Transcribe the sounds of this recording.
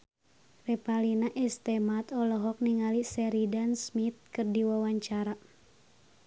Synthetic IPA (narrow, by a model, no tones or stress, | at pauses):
rɛpalinaʔɛst̪ɛmat̪ɔlɔɦɔk̚niŋalisɛɾidansmit̪̚kɨrdiwawaɲt͡ʃaɾa